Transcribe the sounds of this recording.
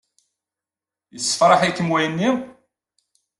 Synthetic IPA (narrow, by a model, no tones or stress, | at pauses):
jəsːə̥fɾˤɑħikːəmwæjənːi